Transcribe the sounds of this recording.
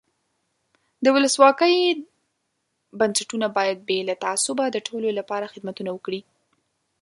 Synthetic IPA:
d̪əwʊləswɑkəj | bansaʈunabɑjad̪̚belat̪aasʊbad̪əʈʰololapɑɾaxɪd̪mat̪unawəkɽi

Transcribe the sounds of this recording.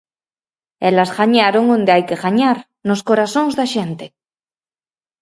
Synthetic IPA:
elasɣaɲaɾoŋõnd̪eajkeɣaɲaɾ | noskoɾasõŋzðaʃent̪e

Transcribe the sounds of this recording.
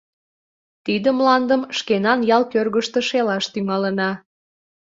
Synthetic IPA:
t̪id̪əmlɑnd̪əmʃkenɑnjɑlˠkørɣəʃt̪ə̆ʃelɑʃt̪yŋɑlənɑ

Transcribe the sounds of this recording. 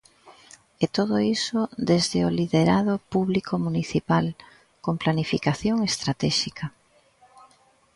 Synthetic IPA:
et̪oðoisod̪ezðeoliðeɾaðopuβlikʰomuniθipal | komplanifikaθjoŋest̪ɾat̪ɛʃikɐ

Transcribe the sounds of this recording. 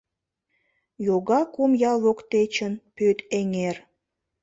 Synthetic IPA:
joɣɑkumjɑlˠβokt̪et͡ɕənpøt̪eŋer

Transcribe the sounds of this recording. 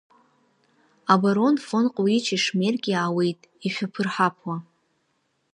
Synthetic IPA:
abaɾo̞nfonqʼwit͡ʃʰiʂmerɡʲʼiaːwejtʼ | iʃʷᶣapʰɨrħapʰwa

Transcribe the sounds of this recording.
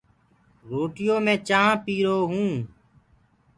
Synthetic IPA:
ɾoːʈɪjõːmẽːt͡ʃaːãːpiːɾoːɦũː

